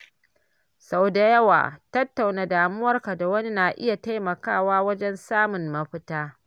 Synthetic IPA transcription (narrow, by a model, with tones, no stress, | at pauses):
sa˨wda˨jɐ˦wa̰ː˨tɐ˦tːa˨wnaː˨daː˨mʊ˦wɐ˦rka˨da˨wɐ˦ni˦naː˨ʔɪ˦ja˨ta˦jmɐ˨kaː˦˨waː˦wɐ˦d͡ʒɛ˦nsaː˦mʊ˨mːɐ˦ɸɪ˦taː˦